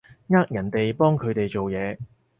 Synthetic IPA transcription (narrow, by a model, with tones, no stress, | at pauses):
ŋaː˥k̚jɐ˨˩nt̪e˨jpɔː˥ŋkʰɵ˨˧t̪e˨jt͡ʃo˨wjɛː˨˧